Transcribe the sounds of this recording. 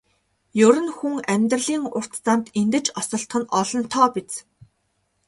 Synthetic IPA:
jɵɾɘ̆nxuŋæmʲt̪̆rɮiːŋʊr̥t̪t͡samt̪ent̪ɘ̆t͡ɕɔsɞ̆ɬt̪χɞ̆nɔɮɞ̆nt̪ʰɔːpet͡s

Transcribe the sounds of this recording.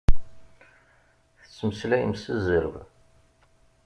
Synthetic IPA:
θət͡sːməslæjə̰msəzəɾəv

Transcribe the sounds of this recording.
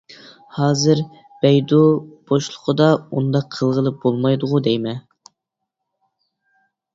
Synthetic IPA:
hɑːzɨɾ | b̥ɛjd̪ub̥oʃlˠʊqʰəd̪ɑṵnd̪ɑqʰːəlˠʁəlˠɨp̚b̥olˠmɑjd̪ʊʁʊd̪ɛjmɛ

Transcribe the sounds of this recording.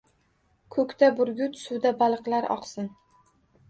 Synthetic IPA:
kʰɵkʲt̪ʰabʊɾɡʲʊt̪sʊwd̪abalˠɨqlˠaɾʔɒ̰qsɪn

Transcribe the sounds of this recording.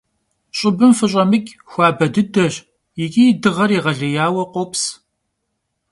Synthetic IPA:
ɕʼɪbɨmfɨɕʼɐmɨkʲʼ | xʷaːbɐdɨdɐɕ | jɪkʲʼijdɨʁɐɾiːʁɐɮɐjaːwɐqʷops

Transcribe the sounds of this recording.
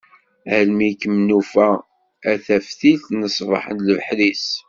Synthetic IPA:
ælmikəmnufæ | æθæfθiθnəsˤvɑ̰ħə̰nləvħɾis

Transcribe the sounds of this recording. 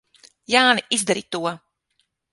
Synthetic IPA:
jaːniizd̪aɾit̪uɔ

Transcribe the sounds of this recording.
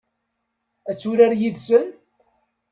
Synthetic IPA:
æt͡sːuɾaɾjiðsən

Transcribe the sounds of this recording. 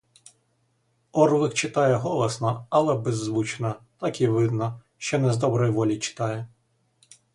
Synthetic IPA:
ɔrʋɪxt͡ʃɪt̪ɑjɛɦɔlˠɐsnɐɐlˠɛbezːʋut͡ʃnɐt̪ɑkiʋɪd̪nɐ | ʃt͡ʃɔnɛzd̪ɔbɾɔjʋɔlʲit͡ʃɪ̥t̪ɑjɛ

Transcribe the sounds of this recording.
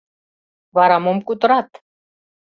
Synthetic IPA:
βɑɾɑmomkut̪ə̆ɾɑt̪

